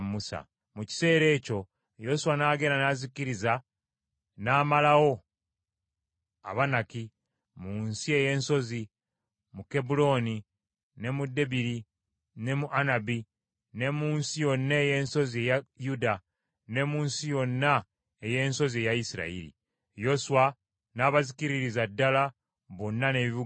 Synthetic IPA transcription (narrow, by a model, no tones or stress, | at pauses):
musa̰ | muci̥se̞ːɾe̞ːco̞ | jo̞suwanaːɡeɾanaziciɾiza | naːmalawo̞ | a̰βanaki | muːnsie̞je̞ːnso̞zi | muke̞bulo̞ni | ne̞mude̞biɾi | ne̞muʔanabi | ne̞muːnsijo̞nːeːje̞ːnso̞ziejajuda | ne̞muːnsijo̞nːa | eje̞ːnso̞zie̞jaisiɾa̰ḭɾḭ | jo̞suwa | naːβazikiɾiɾizadːala | βonːaneβiβu